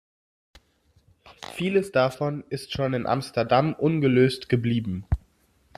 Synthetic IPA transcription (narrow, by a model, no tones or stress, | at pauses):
fiːləsd̥afɔnɪstʃoːnɪnʔa̰mstɛɐdamʔʊnɡəløːstɡ̥əbliːbm̩